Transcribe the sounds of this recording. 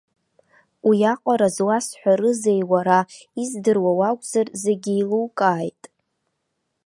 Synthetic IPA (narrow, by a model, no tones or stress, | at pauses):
wijaqʷʼaɾazwasħʷᶣaɾɨzejwaɾaizdɨrwawakʷʼzarzeɡʲiiluwkʼaːjtʼ